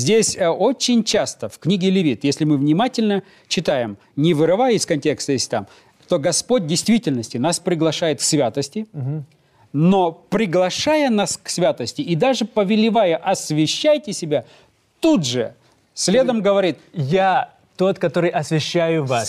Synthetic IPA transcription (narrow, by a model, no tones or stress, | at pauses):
zʲdʲesʲo̞t͡ɕɪnʲt͡ɕast̪əfknʲiɡʲɪlʲɪvʲit̪jesʲlʲɪmɨvnʲɪmatʲɪlʲnə | t͡ɕɪt̪ajɪm | nʲɪvɨɾɨvajɪskɐnʲtʲe̞kst̪əjesʲt̪am | t̪o̞ɡɐspot̚ʲdʲɪjst̪vʲitʲɪlʲnəsʲtʲɪnaspɾʲɪɡlˠɐʂajɪt̪ksʲvʲat̪əsʲtʲɪ | no̞pɾʲɪɡlˠɐʂajənasksvʲat̪əsʲtʲɪʔɪd̪aʐɨpəvʲɪlʲɪvajəʔɐsvʲɪɕːæjtʲɪsʲɪbʲa | t̪ud̪ʐɨ | sʲlʲe̞d̪əmɡəvɐɾʲit̪ja | t̪o̞t̪kɐt̪oɾɨjʔɐsvʲɪɕːæjʊvas